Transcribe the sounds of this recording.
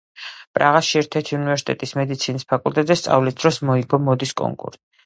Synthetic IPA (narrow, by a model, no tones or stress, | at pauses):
pʼɾaʁaʃiɛɾt̪ʰɛɾt̪ʰiunivɛɾsi̥t̪ʼɛt̪ʼismɛd̪it̪sʰinispʰakʼult̪ʼɛt̪zɛst̪sʼa̰vlisd̪ɾɔsmɔiɡɔmɔd̪iskʼɔ̰ŋkʼṵɾtʼ